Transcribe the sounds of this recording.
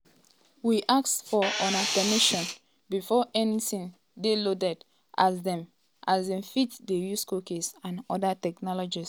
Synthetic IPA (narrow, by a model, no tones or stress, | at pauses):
wiʔak̚tfɔɔ̃napɛmiʃɔ̃n | bifɔʔɛnitĩn | delodɛd | ʔasdɛ̃m | ʔazdɛ̃mfitdejuskokesãnɔdatɛknɔlɔd͡ʒis